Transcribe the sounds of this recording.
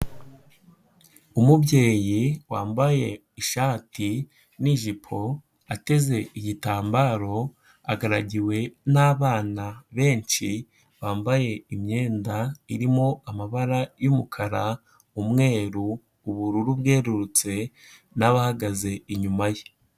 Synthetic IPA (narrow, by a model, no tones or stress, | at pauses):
umubɟe̞ːjiwaːmbaje̞ | iʃaːti | niʒipʰo̞ | ate̞ze̞ʔijitaːmbaːɾo̞ | a̰ɡaɾaɟiwe̞naːβaːnaβe̞ːɲʃi | βaːmbaje̞imɲe̞ːndaiɾimo̞amaβaɾajumukʰaɾa | umŋe̞ːɾuː | βuɾuɾubɡe̞ːɾuɾut͡se̞ | naβahaɡaze̞iɲumaje